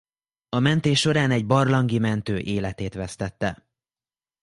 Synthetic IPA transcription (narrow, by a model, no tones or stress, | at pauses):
ɒmɛnt̪eːʃʃo̞ɾaːnɛɟbɒrlɒŋɡimɛnt̪øːʔeːlɛt̪eːt̪ʋɛst̪ɛt̪ːɛ